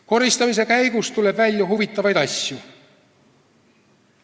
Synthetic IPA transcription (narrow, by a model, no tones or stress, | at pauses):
ko̞ɾist̪ɑmis̬e̞kæjɡ̥ust̪ule̞bvælʲjɑhuvit̪ˑːɑvɑjd̪̥ɑsʲju